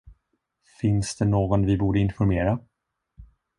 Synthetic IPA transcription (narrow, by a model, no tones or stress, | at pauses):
fɪnsd̪ɛnoːɡɔnvɪbuːɖəɪnfɔɾmeːɾa